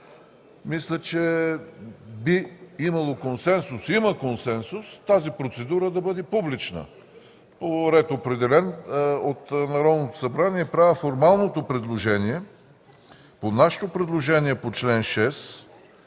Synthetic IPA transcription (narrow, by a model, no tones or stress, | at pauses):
mislʲət͡ʃɛ | biimɐlˠokonsɛnsʊsiməkonsɛnsust̪azipɾot̪sɛd̪uɾəd̪ɐbɤd̪ɛpublit͡ʃnə̰ | poɾɛt̪opɾɛd̪ɛlɛnot̪nɐɾɔd̪not̪o̥sɐbɾaniɛpɾavəfoɾmalˠnot̪opɾɛd̪lˠoʒɛniɛ | ponaʃɛ̥t̪opɾɛd̪lˠoʒɛniɛpot͡ʃlɛnʃɛs